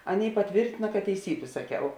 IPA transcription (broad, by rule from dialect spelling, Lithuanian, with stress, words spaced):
ˈɑːˌnʲeːɪ pɐˈtʲʋʲeːrʲtʲɪnɐ kɐt tʲɛɪˈsʲiːbʲeː sɐˈkʲɛʊ